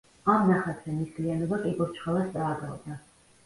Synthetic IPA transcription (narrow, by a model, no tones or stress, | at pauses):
amnaχat̪ʰɾɛnistlijanɔbakʼiɡɔɾt͡ʃʰχalˠast̪sʼaːɡʼad̪na